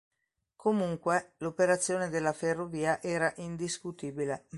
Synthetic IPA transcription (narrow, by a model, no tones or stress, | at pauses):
kʰomuŋkwelopeɾat̪sːjoːned̪elːaferːoviːaʔɛːɾaʔind̪iskut̪iːbile